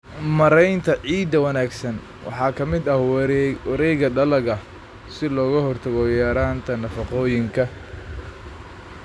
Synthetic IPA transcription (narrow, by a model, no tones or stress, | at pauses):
mɐɾɛjnt̪ʰɐʕiːd̪ɐwɐnaːɡsɐn | wʔɑ̰ħɑːkʰɐmɪd̪ɐwɐɾɛjɣɐɖɐlɐɣɐ | sɪlɔːɣɐhɔrt̪ʰɐɣɔjaːɾaːnt̪ʰɐnɐfɑqɔːjɪŋkʰɐ